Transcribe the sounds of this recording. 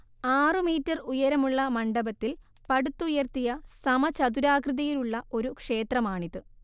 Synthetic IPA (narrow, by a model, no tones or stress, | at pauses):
aːrɨmiːtːɐrujɐɾɐmuɭːɐmɐɳɖɐbɐt̪ːil | pɐɽut̪ːujɐrt̪ijɐsɐmɐt͡ɕɐd̪uɾaːkrɨðɐjiluɭːɐʔo̞ɾukʂe̞ːt̪rɐmaːɳiðɨ